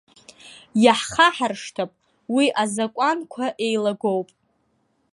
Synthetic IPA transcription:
jaħχaħarʂtʰapʼ | wiʔazakʷʼankʷʰaʔe̞jlaɡʷowpʼ

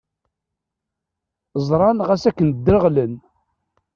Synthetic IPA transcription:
zˤɾˤɑnʁæsækːənd̪ːəɾəʁlən

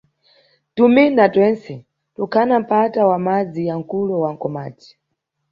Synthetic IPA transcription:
tuminatwɛnsɛ | tukʰanam̩patawamad͡zijaŋ̩kulɔwaŋ̩kɔma̰ːti̥

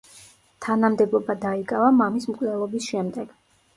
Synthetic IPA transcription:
t̪ʰanamd̪ɛbɔbad̪aikʼavamamismkʼlɛlˠɔbisʃɛmd̪ɛɡ̥

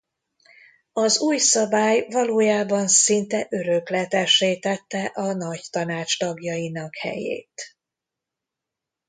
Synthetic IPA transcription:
ɒzuːjsɒbaːjvɒloːjaːbɒnsint̪ɛʔøɾøklɛt̪ɛʃeːt̪ɛt̪ːɛʔɒnɒct̪ɒnaːt͡ʃt̪ɒɡjɒjinɒkhɛ̰jḛːt̪

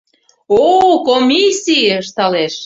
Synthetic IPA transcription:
okomʲisiəʃt̪ɑleʃ

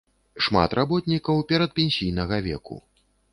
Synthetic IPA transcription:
ʂma̰t̪rʔabɔt̪nʲikɐwpʲɛɾɐt̪̚pʲenʲsʲijnɐɣɐvʲɛ̰kṵ

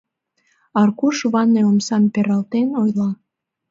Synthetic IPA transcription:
ɑrkuʃβɑneomsɑmpeɾɑlt̪enojlɑ

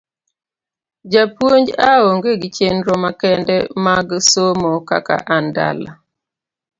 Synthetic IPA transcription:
d͡ʒapwoɲd͡ʒaoŋɡeɡit͡ʃenɾɔmakɛndɛmaɡsomoka̰ka̰ʔanda̰la̰

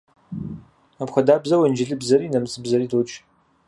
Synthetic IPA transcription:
apxʷɐdaːbzɐwɛnd͡ʒɪɮɨbzɐriːnɐmɨt͡sʰʼɨbzɐɾiːdot͡ʃʰʼ

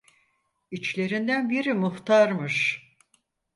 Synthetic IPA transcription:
it͡ʃlʲe̞ɾind̪ænbiɾimuht̪ʰaɾmɯʃ

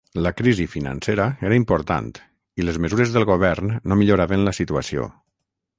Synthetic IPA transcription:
ləkɾizifina̰nseɾəeɾəimpoɾt̪a̰nt̪ | iləzməzuɾezðəlˠɣoβ̞ɛɾnːomiʎuɾaβənləsit̪uə̰sio̰

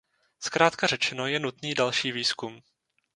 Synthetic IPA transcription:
skɾaːt̪karɛt͡ʃɛno̞jɛnut̪niːdalʃiːviːskum

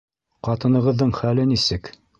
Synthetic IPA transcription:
qɑt̪ɤ̆nɤ̆ʁɤ̆ðːɤɴχælɘnisɘk

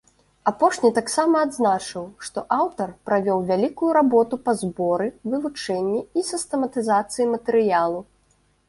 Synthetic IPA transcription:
apɔʂnʲit̪aksamɐːd̪znat͡ʂɨwʂt̪ɔʔawt̪ɐrpɾavʲɔwvʲalʲikujuɾabɔt̪upazbɔɾɨvɨvut͡ʂɛnʲːiisʲɨst̪ɛmɐt̪ɨzat̪sɨjimɐt̪ɛɾɨjalˠu

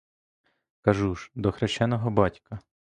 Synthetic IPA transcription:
kɐʒuʒd̪ɔxɾeʃt͡ʃɛnɔɦɔbɑtʲkɐ

